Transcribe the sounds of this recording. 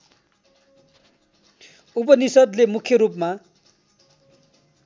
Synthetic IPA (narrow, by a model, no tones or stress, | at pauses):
up̬ʌnisʌd̪lemukʰjʌɾupma